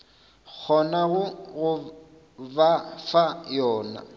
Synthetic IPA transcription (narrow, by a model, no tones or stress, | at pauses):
k͡xʰɔnaɣʊɣʊ | bafajɔːna̰